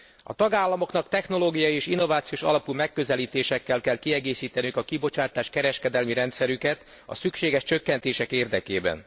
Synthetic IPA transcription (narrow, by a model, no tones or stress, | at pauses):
ɒ̰t̪ɒɡaːlːɒmo̞knɒkt̪ɛxno̞loːɡijɒjieːʃinːovaːt̪sioːʃɒ̰lɒpuːmɛkːø̞zɛliːt̪eːʃɛkːɛlkɛlkiɛɡeːsiːt̪ɛnykɒkibo̞t͡ʃaːt̪aːʃkɛɾɛʃkɛd̪ɛlmiɾɛnt̪sɛɾykɛt̪ | ɒ̰sykʃeːɡɛʃt͡ʃø̞kːɛnt̪eːʃɛkeːrd̪ɛkḛːbɛ̰n